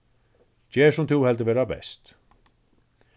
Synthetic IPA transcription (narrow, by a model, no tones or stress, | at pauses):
t͡ɕɛːʂʊmt̪ʰuhɛlt̪əvɛːɾabɛ̰st̪